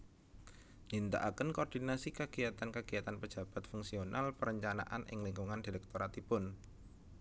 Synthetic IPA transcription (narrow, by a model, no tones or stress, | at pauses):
nint̪a̰ʔakənkoɔrd̥inasikəɡ̥ijat̪ankəɡ̥iat̪anpə̥d͡ʒ̥a̤b̥a̤t̪fuŋsionʔalpəɾəɲt͡ʃana̰ʔa̰nʔɪ̰ŋliŋɡuŋand̥ilɛk̚t̪oɾat̪ipʊn